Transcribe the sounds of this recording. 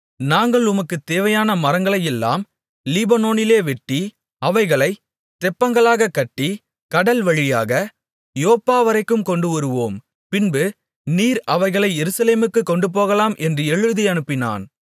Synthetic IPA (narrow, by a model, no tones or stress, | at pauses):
naːŋɡɐɭʊmɐkːɯt̪eːʋɐjaːnɐmɐɾɐŋɡɐɭɐjɛlːa̰ːm | lɪbɐnoːnɪleːʋɛʈːi | ɐʋɐɪɣɐɭɐɪ | t̪ɛpːɐŋɡɐɭaːɣɐkːɐʈːi | kɐɽɐlʋɐɻɪjaːɣɐ | joːpːaːʋɐɾɐɪkːɯmkɔɳɖɯʋɐɾɯʋoːm | pɪnbɯ | niːɾɐʋɐɪɣɐɭɐɪjɛɾɯsɐleːmɯkːɯkːɔɳɖɯp̬oːɣɐlaːmʔɛndrɯɛɻɯðiɐnɯpːɪna̰ːn